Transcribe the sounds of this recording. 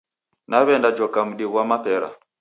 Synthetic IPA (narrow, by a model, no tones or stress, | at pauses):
naβɛndad͡ʒɔkam̩ɗiɣwamapɛɾa̰